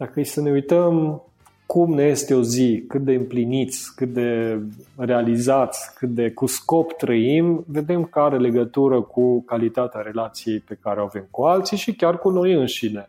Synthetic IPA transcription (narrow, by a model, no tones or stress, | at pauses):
d̪̥akəjsəne̞ujt̪əm | kumneje̞st̪e̞o̞zikɨt̪̚d̪e̞ɨmplinit̪sʲkɨt̪̚d̪e̞ | re̞alizat̪sʲkɨt̪̚d̪e̞kusko̞pt̪ɾəimve̞d̪e̞mkaɾele̞ɡət̪uɾəkukalit̪at̪eaɾe̞lat̪sije̞jpe̞kaɾeoave̞mkualt̪siʃikʲarkuno̞jɨnʃine